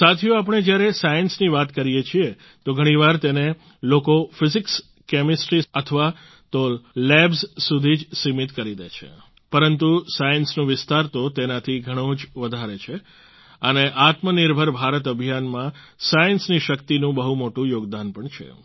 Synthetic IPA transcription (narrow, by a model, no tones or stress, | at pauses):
sat̪ʰijoap̬əɽ̃ed͡ʒjaɾesajənsniʋat̪kəɾijet͡ʃʰie | t̪oɡʱəɽ̃iʋaɾt̪ene | lokofɪzɪks | kemɪsʈɾiət̪ʰəʋa | t̪olɛbzsud̪ʱid͡ʒsimit̪kəɾid̪et͡ʃʰḛ | pəɾənt̪usajənsnũʋɪst̪aɾt̪ot̪enat̪ʰiɡʱəɽ̃õd͡ʒʋəd̪ʱaɾet͡ʃʰe | əneʔat̪məniɾbʱəɾbʱaɾət̪̬əbʱijanmã | sajənsniʃəkt̪inũbəɦumoʈũjoɡd̪anpəɳt͡ʃʰḛ